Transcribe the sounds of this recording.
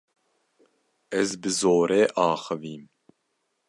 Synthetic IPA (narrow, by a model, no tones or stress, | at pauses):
ɛzbɨzoːɾɛːʔɑːxɨviːm